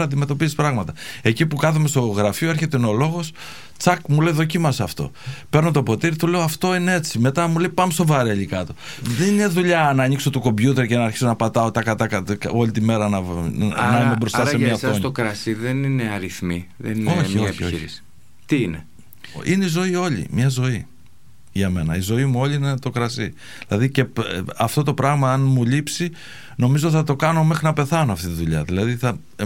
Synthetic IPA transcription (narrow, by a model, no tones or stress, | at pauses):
ɐnd̪ime̞t̪o̞pizispɾɐɣmɐt̪ɐe̞cipukɐθume̞st̪o̞ɣɾɐfioe̞ɾçe̞t̪enolo̞ɣo̞s | t͡sɐkmule̞jðo̞cimɐsɐft̪o̞̰ | pe̞ɾnot̪o̞po̞t̪iɾit̪ule̞oɐft̪o̞inee̞t͡sime̞t̪ɐmule̞jpɐmest̪o̞vɐɾeʎikɐt̪o̞ðenineðuʎɐnɐːɲikso̞t̪oko̞mbʝut̪e̞ɾcenɐːɾçi̥so̞nɐpɐt̪ɐo̞t̪ɐkɐt̪ɐkɐko̞lit̪ime̞ɾɐnɐnɐimebɾo̞st̪ɐsemiɲɐfsoɲokɾɐsiðenineɐɾiθmiðḛninoioçioiɾisi̥ | t̪iine | ine̞izo̞io̞ʎḭmɲɐzo̞i | ʝɐme̞nɐ̰izo̞imuo̞ʎʲiinet̪o̞kɾɐsi | ðilɐðice̞ɐft̪o̞t̪o̞pɾɐɣmɐɐnmulipsi | no̞mizot̪θɐt̪o̞kɐno̞me̞xɾinɐpe̞θɐnoɐft̪it̪iðuʎɐðilɐðiθɐ